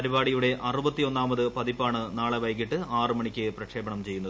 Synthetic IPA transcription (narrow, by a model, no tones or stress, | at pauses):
ɐɾibaːɽijuɽe̞ʔɐrubɐt̪ːio̞nːaːmɐðɨpɐðipːaːɳɨnaːɭeʋɐjkːiʈːɨaːrɨmɐɳikʲːɨprɐkʂe̞ːbɐɳɐmt͡ɕe̞junːɐð